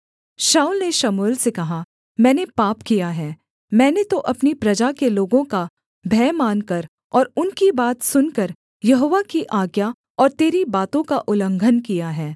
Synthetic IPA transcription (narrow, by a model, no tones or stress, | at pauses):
ʃaːʊlneʃɐmuːlsekɐɦa | mɛ̃ːnepaːpkijaɦɛː | mɛ̃ːnet̪oʔɐpnipɾɐd͡ʒakeloːɡõka | bʱɛːmaːnkɐɾ | ɔːɾʊnkibaːt̪sʊnkɐɾ | jɐɦoːʋakiʔaːɡja | ɔːɾt̪eːɾibaːt̪õkaʔʊlə̃ŋɡʱənkijaɦɛː